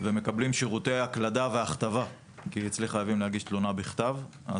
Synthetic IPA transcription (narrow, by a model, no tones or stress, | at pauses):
veme̞kablimʃiʁut̪ejaklad̪aveaχt̪ava | kiit͡sliχajavimlehaɡiʃt̪lonabiχt̪avʔa̰